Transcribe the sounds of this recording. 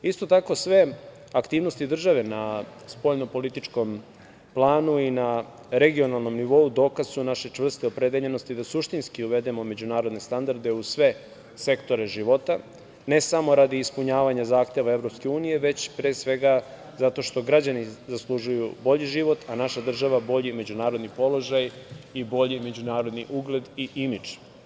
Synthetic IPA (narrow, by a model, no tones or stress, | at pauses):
ist̪o̞t̪ako̞sʋe̞ | akt̪iːʋnost̪id̪r̩ʒaʋe̞naspo̞ʎno̞po̞lit̪it͡ʃko̞m | plˠaːnuina | ɾe̞ɡio̞nalˠno̞mniʋo̞ud̪o̞ːkaz̥sunaʃe̞t͡ʂʋr̩st̪eopɾe̞d̪eʎe̞no̞st̪id̪asuʃt̪inskiuʋe̞d̪e̞mo̞me̞d͡ʑunaːɾo̞d̪ne̞st̪and̪aɾd̪e̞usʋe̞ | se̞kt̪o̞ɾe̞ʒiʋo̞t̪a | ne̞samo̞ɾad̪iːspuɲaːʋaɲazaːxt̪e̞ʋae̞vɾo̞pske̞uːnije̞ʋe̞t͡ɕpɾeːsʋe̞ɡa | zat̪o̞ʃt̪o̞ɡɾad͡ʑanizaslˠuʒujubo̞ʎiʒiʋo̞t̪ʰanaʃad̪r̩ʒaʋabo̞ʎime̞d͡ʑunaːɾo̞d̪nipo̞lo̞ʒajibo̞ʎime̞d͡ʑunaːɾo̞d̪niʔuɡle̞d̪iʔimid͡ʒ